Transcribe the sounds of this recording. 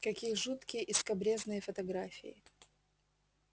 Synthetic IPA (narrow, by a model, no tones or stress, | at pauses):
kɐkʲijəʐut̪kʲɪjəʔɪskɐbɾʲe̞znɨjəfət̪ɐɡɾafʲɪ̰ɪ